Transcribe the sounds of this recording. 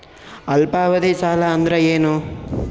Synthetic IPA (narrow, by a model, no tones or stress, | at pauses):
ɐlpaːʋɐd̪eːsaːlɐːnd̪ɾeeːnu